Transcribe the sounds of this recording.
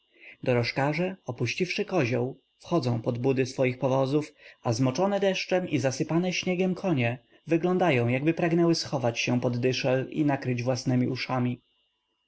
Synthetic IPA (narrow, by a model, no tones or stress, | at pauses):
d̪ɔɾɔʂkaʐɛɔpuɕt͡ɕifʂɘkɔʑɔw | fxɔd̪zɔ̃w̃pɔd̪bud̪ɘsfɔjixpɔvɔzufazmɔt͡ʂɔnɛd̪ɛʂt͡ʂɛmizasɘpanɛɕɲɛɡʲjɛmkʰɔɲɛ | vɘɡlɔ̃nd̪ajɔ̃w̃jaɡbɘpɾaɡnɛwɘsxɔvat͡ɕɕɛpɔd̪ːɘʂɛlḭnakɾɘd͡ʑvwasnɛmʲiʔuʂamʲi